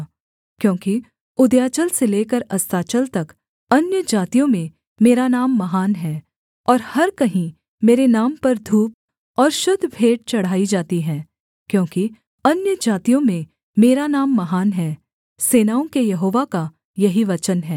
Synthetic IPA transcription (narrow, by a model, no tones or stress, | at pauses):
kjõːki | ʊd̪jaːt͡ʃəlseleːkəɾɐst̪aːt͡ʃəlt̪ɐk | ɐnjəd͡ʒaːt̪ijõmẽ | meːɾanaːmːɐɦaːnɦɛː | ɔːɾhɐɾkɐɦĩ | meːɾenaːmpɐɾd̪ʱuːp̚ | ɔːɾʃʊd̪ʱːbʱeːɖ̚t͡ʃɐɽ̤aːid͡ʒaːt̪iɦɛ̃ː | kjõːki | ɐnjəd͡ʒaːt̪ijõmẽ | meːɾanaːmːɐɦaːnɦɛː | seːnaːõkejɐɦoːʋaka | jɐɦiʋɐt͡ʃənɦɛː